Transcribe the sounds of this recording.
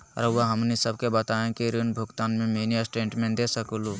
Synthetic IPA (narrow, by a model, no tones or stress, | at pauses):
ə̰ɾʋɐɦɐmnisəbkebɐt̪aːẽkiɾinbʱʊɡt̪aːnmẽmeːniɐsʈẽːɳʈmẽd̪esəkulu